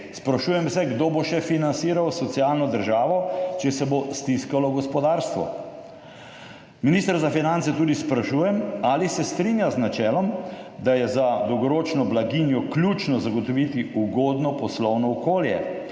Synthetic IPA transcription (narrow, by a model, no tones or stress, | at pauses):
spɾaʃuːjɛmwsɛɡd̪oːboʃɛfinansiːɾawsɔt̪sialnɔd̪əɾʒaːʋɔt͡ʃɛsɛbost̪iskalɔɡɔspɔd̪aːɾst̪ʋɔ̰ | minist̪əɾzafinant̪sɛt̪uːd̪ispɾaʃuːjɛmaːlisɛst̪ɾinjaznat͡ʃɛːlɔmd̪ajɛzad̪ɔwɡɔɾoːt͡ʃnɔblaɡinjɔklʲjut͡ʃnɔzaɡɔt̪ɔʋit̪iuɡoːd̪nɔpɔslɔwnɔɔkoːljɛ̰